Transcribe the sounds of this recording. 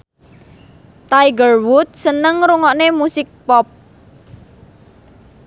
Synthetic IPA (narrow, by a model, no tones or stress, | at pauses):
t̪ajɡərwut̪̚sənəŋɾuŋɔʔnemusɪk̚pɔp̚